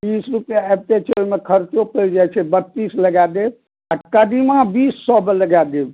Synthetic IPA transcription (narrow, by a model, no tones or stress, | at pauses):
t̪isɾupjaebt̪et͡ʃʰoimekʰəɾt͡ʃopəld͡ʒajt͡ʃʰɛbət̪ːisləɡad̪eb̚ | akad̪imãbisːɔbeləɡad̪eb